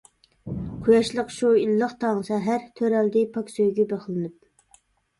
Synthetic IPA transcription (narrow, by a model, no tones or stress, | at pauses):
qʰujɑʃlˠəqʃuilːəχt̪ʰɑŋʃɛɦæɾt̪ʰøɾɛld̪ɪpʰɑksøjɡʲɛbeχlˠɨnɨp̚